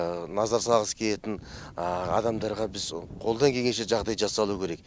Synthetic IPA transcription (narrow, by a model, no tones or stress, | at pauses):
nɑzɑɾsɑlˠʁəskʲʰe̞le̞t̪ɪn | ɑ̰d̪ɑmd̪ɑɾʁɑbɪzqʰo̞lˠd̪ɑŋkʲʰe̞ɡʲe̞nʃ̬eʒɑʁd̪ɑjʒɑsːɑlˠukʲʰe̞ɾe̞k̚